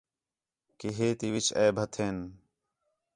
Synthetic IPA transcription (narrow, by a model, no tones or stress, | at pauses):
kiɦeːt̪iʋɪt͡ʃʰeːbʱət̪ʰeːn